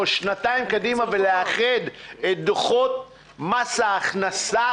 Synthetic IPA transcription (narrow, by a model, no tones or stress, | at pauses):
ʃnat̪aimkad̪imaveleaχed̪et̪̚d̪oχot̪̚ | masaːχnasa